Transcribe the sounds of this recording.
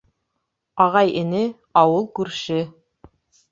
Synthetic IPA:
ɑʁɑjɘ̆nɘ | ɑwɤlˠkʉɾʃɘ

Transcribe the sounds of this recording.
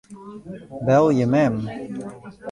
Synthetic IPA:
bɛlˠjəmɛm

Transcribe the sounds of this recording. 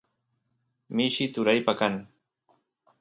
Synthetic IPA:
mɪʃɪt̪ʊɾajpakan

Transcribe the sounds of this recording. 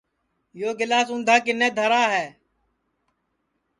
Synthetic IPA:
joːɡɪlaːsʊ̃nd̪ʱaːk̬ɪneːd̪ʱəɾaːɦɛː

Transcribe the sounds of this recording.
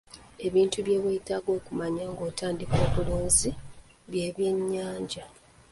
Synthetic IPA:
e̞βiːntuβje̞ːβwetaːɡo̞ːkumaɲaŋɡoːtʰaːndiko̞ːβuloːnzi | βje̞ːβje̞ɲːaːɲɟa

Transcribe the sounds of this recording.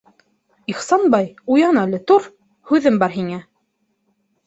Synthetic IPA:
iχsɑnbɑjujɑnɑlɘ̆t̪uɾ | hʉðɘmbɑɾɦiŋæ

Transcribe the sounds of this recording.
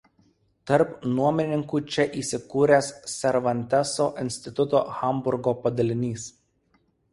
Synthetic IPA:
t̪ɐɾpnuɔmʲɪnʲɪŋkuːt͡ʃʲɛʔiːsʲɪkuːɾʲessʲɛɾʋɐnʲt̪ʲɛsoːʔɪnʲsʲt̪ʲɪt̪ʊt̪o̰ːxɐmbʊɾɡoːpɐd̪ɐlʲɪnʲiːs

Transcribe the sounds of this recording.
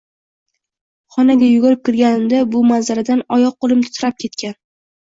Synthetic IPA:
χɒnaɡʲajʊɡɒɾɪp̚kʲʰɪɾɡʲanɪmd̪abʊmazaɾad̪anɒjɒq̚ːolˠɪmt̪ʰʊ̥t̪ʰʊɾap̚kʲʰe̞t̪kʲʰan

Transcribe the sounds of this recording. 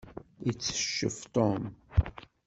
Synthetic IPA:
it͡sːə̥ʃːə̰ft̪ˤom

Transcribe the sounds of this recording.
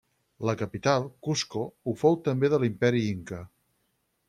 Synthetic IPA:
ləkəpit̪alˠkuskoufowt̪əmbeðəlimpɛɾiiŋkə

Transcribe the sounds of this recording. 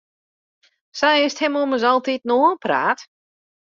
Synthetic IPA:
sɛjɪsthɛmoməzɔlˠtit̚noːənpra̰ːt

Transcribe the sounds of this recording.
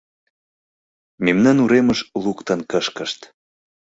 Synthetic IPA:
memnɑnuɾeməʃlukt̪ə̆nkəʃkəʃt̪

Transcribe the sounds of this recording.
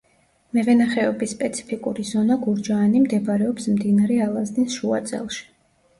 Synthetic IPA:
mɛvɛnaχɛɔbisːpʼɛt̪sʰi̥pʰikʼṵɾizɔnaɡuɾd͡ʒaːnimd̪ɛbɾɛɔpsmd̪inaɾɛalˠaznisʃua̰t̪sʼɛ̰lˠʃi̥

